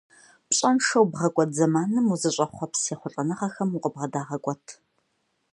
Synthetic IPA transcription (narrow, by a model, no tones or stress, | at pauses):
pɕʼɐnʂɐwbʁɐkʷʼɔtzɐmaːnɨmuzɨɕʼɐχʷɔpseːχʷʊɬʼɐnɨʁɐxɐmuqəbʁɐdaːʁɐkʷʼɔtʰ